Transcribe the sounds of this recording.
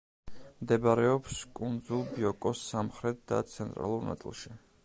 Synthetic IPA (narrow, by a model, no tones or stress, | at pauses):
md̪ɛbaɾɛɔpskʼund̪zulˠbiɔkʼɔsamχɾɛt̪̚ʰd̪̥a̰t̪sʰɛnt̪ʼɾa̰lˠuɾna̰t̪sʼḭlˠʃi